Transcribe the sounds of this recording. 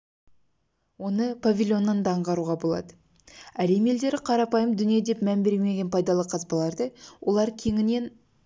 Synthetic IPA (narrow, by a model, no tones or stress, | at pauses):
wo̞nəpʰavʲilʲjo̞nːɑnd̪ɑɴʁɑɾuʁɑbo̞lˠɑ̰d̪ə | æɾe̞me̞ld̪e̞ɾɪqʰɑɾɑpɑjəmd̪ʏnijed̪e̞pmæmbeɾeme̞ɡʲe̞npʰɑjd̪ɑlˠəqʰɑzpɑlˠɑɾd̪əwʔo̞lˠɑɾkʲʰe̞ŋɪne̞n